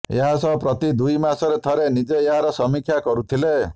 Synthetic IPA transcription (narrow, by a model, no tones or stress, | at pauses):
ḛɦasɔpɾɔt̪id̪ujmasɔɾet̪ʰɔɾenid͡ʒeːɦaɾɔsɔmikʰjakɔɾut̪ʰile